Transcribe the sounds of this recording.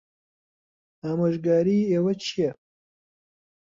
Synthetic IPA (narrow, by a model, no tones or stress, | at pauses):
aːmoʒɡaːɾiːewɐt͡ʃʰije